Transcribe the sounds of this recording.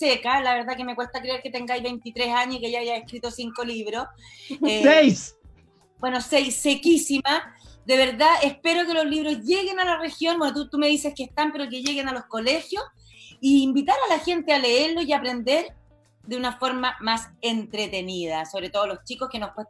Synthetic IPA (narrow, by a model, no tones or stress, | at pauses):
sekalaβe̞ɾðake̞mekwe̞st̪akɾeeɾket̪eŋɡajβejnt̪it̪ɾesaɲosikeajajaehkɾit̪o̞siŋkoliβɾos | esejs | bwe̞no̞sejsːekisimad̪e̞βe̞ɾðaehpe̞ɾoke̞lozliβɾo̞zʝe̞ɣe̞nalarexjonbwenot̪ut̪ume̞ðise̞skeht̪ampeɾo̞k̬eʝe̞ɣenalo̞sko̞le̞xjos | iːmbit̪aɾalaxe̞nt̪eale̞eɾlo̞iapɾe̞nd̪e̞ɾ | d̪eunafo̞ɾmamasent̪ɾet̪e̞nið̞asoβɾe̞t̪o̞ðolo̞st͡ʃiko̞skenohpwe